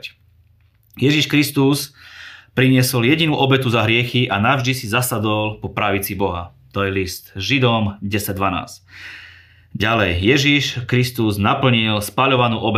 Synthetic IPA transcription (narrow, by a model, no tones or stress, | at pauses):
jɛʒiʃkɾist̪uspɾiɲɪɛsɔljɛɟinuːʔɔbɛt̪uzaɦɾɪɛxiʔanaʊʒd̪isizasad̪ɔlpɔpɾaʋit͡sibɔɦa̰t̪ɔjɛlist̪ʒid̪ɔmɟɛsaɟ̚d̪ʋana̰ːsc | ɟalɛjːɛʒiʃkɾist̪uznapl̩ɲilspaʎɔʋanuːʔɔbɛ